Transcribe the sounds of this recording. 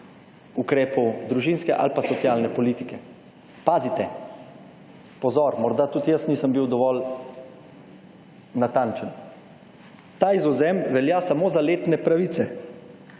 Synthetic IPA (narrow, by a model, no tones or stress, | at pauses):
ukɾeːpɔwd̪ɾuʒinskɛʔa̰lpasɔt̪sjalnɛpɔliːt̪ikɛ | paːzit̪ɛ | pɔzɔɾmɔɾd̪at̪uːt̪jəsniːsəmbiwd̪ɔʋɔl | nat̪ant͡ʃən | t̪aːizɔzɛmʋɛljasamoːzaleːt̪nɛpɾaʋiːt̪sɛ